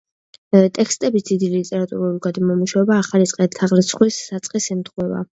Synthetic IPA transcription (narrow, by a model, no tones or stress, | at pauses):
t̪ʼɛkʰst̪ʼɛbisd̪id̪ilit̪ʼɛɾat̪ʼṵɾuuliɡad̪mɔmuʃavɛbaːχalit̪sʼqʼɛt̪ʰaʁlɛt̪sʰχwisːat̪sʼqʼisimt̪χwɛva̰